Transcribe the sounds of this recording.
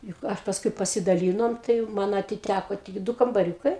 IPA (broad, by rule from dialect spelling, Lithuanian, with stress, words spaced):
jʊk ˈɐ pɐsˈkʊɪ pɐsʲɪdɐˈlʲiːnoːm tɐɪ jɛʊ ˈmɐn ɐtʲɪˈtʲækoː tʲɪk ˈdʊ kɐmbɐˈrʲuːkɐɪ